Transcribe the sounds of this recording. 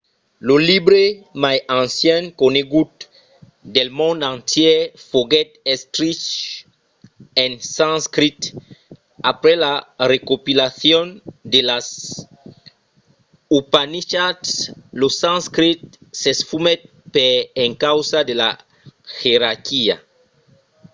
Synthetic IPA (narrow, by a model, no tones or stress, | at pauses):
loliβɾemajãnsjeŋkoneɡut̪ | d̪elmõnd̪ãnt̪jefoɣet̪est̪ɾit͡ʃ | ensãnskɾit̪ | apɾelarekopilaθjond̪elas | upaniʃat̪slosãnskɾit̪̚sesfumet̪̚ | peeŋkawsad̪ela̰ | xeɾaɾkia̰